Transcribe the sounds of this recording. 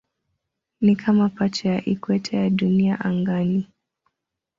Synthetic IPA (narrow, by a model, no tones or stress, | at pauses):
nikʰamapat͡ʃɛjaʔikwɛtʰɛjaɗuniaʔaŋɡani